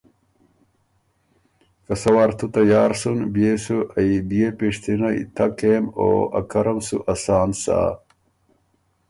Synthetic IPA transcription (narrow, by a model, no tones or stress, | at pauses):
kɐsɐwaɾt̪ʰut̪ɐjaːɾsunbjesuɐib̪ijepeʂt̪inɐḭt̪ʰɐkeːmo̰ːɐ̰kɐɾɐmsṵʔɐsaːnsa̰ː